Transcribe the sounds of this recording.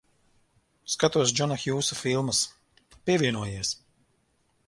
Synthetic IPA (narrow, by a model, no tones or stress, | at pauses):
skat̪uɔsd͡ʒɔnaxjuːsufilˠmɐs | pʲiɛvʲiɛnuɔjiɛs